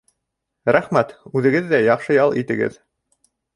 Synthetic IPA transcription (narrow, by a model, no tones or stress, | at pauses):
ɾæχmæt̪ʉðɘ̆ɡɘðːæjɑqʃɤjɑlˠit̪ɘ̆ɡɘ̰ð